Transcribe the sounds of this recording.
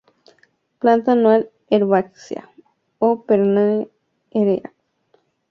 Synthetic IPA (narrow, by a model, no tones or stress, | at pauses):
plant̪anwal | eɾwaksja̰ | opeɾna | eɾea